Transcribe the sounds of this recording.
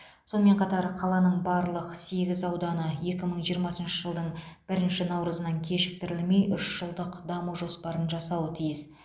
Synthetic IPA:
so̞nəme̞ɴqʰɑt̪ɑɾqʰɑlˠɑnəɴbɑɾlˠəqse̞ɡʲɪzɑwd̪ɑnəje̞kʲɪməɴʒijəɾmɑsənʃəʒəlˠd̪əɴb̥ɪɾɪnʃɪnɑwɾəzənɑŋkʲʰe̞ʃɪ̥k̚t̪ɪɾɪlme̞jʔʏʃʒ̥əlˠd̪əqd̪ɑmuʒo̞spɑɾənʒɑsɑwət̪ʰijɪs

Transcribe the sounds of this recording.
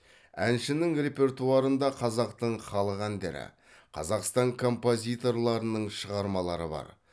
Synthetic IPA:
ænʃɪnɪŋɾʲe̞pʲe̞rt̪uɑɾənd̪ɑqʰɑzɑqt̪əɴχɑlˠəʁænd̪ḛɾɪ̰ | qʰɑ̰zɑqst̪ɑŋkʰo̞mpo̞zʲijt̪o̞rlˠɑɾənəɴʃəʁɑɾmɑlˠɑ̰ɾə̰bɑ̰ɾ

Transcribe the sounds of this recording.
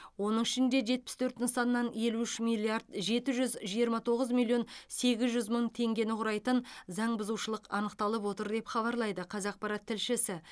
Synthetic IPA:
wo̞nəɴɪʃɪnd̪e̞ʒe̞t̪̚pɪ̥st̪ʰɵɾt̪ɪnsɑnːɑnje̞luʏʃmilʲiaɾd̪ʒe̞t̪ɪʒʏzʒijəɾmɑt̪ʰo̞ʁəzmilʲˠijo̞nse̞ɡʲɪzʒʏzməɴt̪ʰe̞ŋɡʲe̞nɪqʰʊɾɑjt̪ənzɑɴbʊzuwʃəlˠəqɑnəqt̪ɑlˠəp̬wo̞t̪əɾd̪e̞pχɑβɑɾlˠɑjd̪əqʰɑzɑq̚pɑɾɑt̪ʰːɪlʃɪsɪ

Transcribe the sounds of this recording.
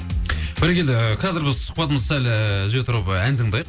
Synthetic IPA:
b̥ɪɾekʲʰeld̪ɪqʲʰɑzɪɾbɪzsə̥q̚pɑt̪əməzsælʒɪjet̪ʰʊɾəpænd̪ɪŋd̪ɑj

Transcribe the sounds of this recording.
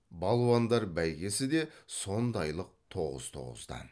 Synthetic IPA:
bɑlˠwɑnd̪ɑɾbæjɡʲe̞sɪd̪e̞so̞nd̪ɑjlˠəq̚t̪ʰo̞ʁə̰z̥t̪ʰo̞̰ʁə̰zd̪ɑ̰n

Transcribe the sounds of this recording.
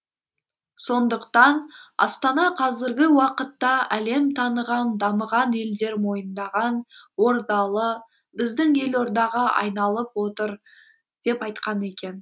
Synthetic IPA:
so̞nd̪əqt̪ɑnɑ̰st̪ɑnɑqʰɑzɪɾɡʲɪwɑqət̪ːɑæle̞mt̪ʰɑnəʁɑnd̪ɑməʁɑne̞ld̪e̞ɾmo̞jənd̪ɑʁɑnwo̞ɾd̪ɑlˠə | bɪzd̪ɪŋe̞lo̞ɾd̪ɑʁɑʔɑ̰jnɑlˠəpwo̞t̪əɾ | d̪̥e̞pɑjt̪qɑne̞kʲe̞n

